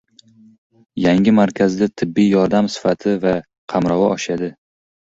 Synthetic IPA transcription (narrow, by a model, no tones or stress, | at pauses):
jaŋʲɪmaɾkʲʰazd̪at̪ʰɪbːijjɒɾd̪amsɪ̥fat̪ʰɪva | qʰɑmɾɒwɒʔɒʃad̪ɪ